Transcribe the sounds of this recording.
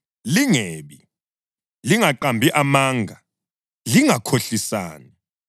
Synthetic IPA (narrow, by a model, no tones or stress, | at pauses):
liŋeːɓi | liŋaǃambʱiʔamaːŋɡʱa | liŋakʰoɬisa̰ːni